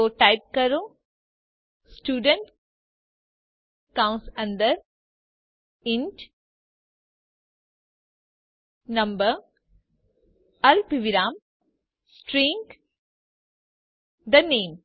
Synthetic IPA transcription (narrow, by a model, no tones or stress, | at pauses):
oːʈajp̚kɐɾu | sʈjuːɖəɳʈ | kãwʊnsɐ̃nd̪ɐɾ | inʈ | nɐ̃mbɐ | ɐlpiʋiɾaːm | sʈɾĩːŋɡ | d̪ɐneːm